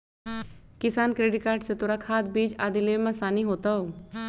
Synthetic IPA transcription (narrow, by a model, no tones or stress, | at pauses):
kɪsaːnkɾeːɖɪʈkaːɾʈset̪oːɾakʰaːd̪̚biːd͡ʒaːd̪ileːmãsaːniɦoːt̪aɦoː